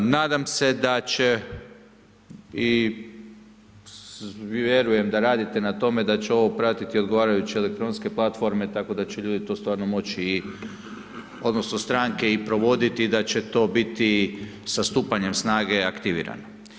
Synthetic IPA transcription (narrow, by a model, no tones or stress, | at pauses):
naːd̪amse̞d̪at͡ɕe̞ | i | ʋjeɾuje̞md̪aɾaːd̪it̪e̞nat̪o̞me̞d̪at͡ɕeo̞ʋo̞pɾat̪it̪io̞d̪ɡoʋaːɾajut͡ɕie̞lek̚t̪ɾo̞nske̞plˠat̪fo̞ɾme̞t̪ako̞d̪at͡ɕe̞ʎuːd̪it̪o̞st̪ʋaːɾno̞mo̞t͡ɕiː | o̞d̪no̞sno̞st̪ɾaŋke̞ipɾo̞ʋo̞d̪it̪id̪at͡ɕe̞t̪o̞bit̪isast̪uːpaɲe̞msnaːɡe̞akt̪iʋḭːɾa̰no